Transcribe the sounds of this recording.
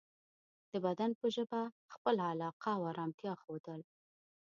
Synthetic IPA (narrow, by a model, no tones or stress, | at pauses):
d̪̥əbad̪anpəʒəba | xpəlalɑqʰawɑɾɑmt̪jɑxod̪əl